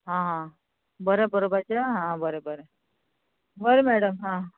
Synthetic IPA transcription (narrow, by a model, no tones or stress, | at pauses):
ɦãɦã | bəɾebəɾobət͡ɕaɦãbəɾebəɾe | bəɾemæɽəmɦã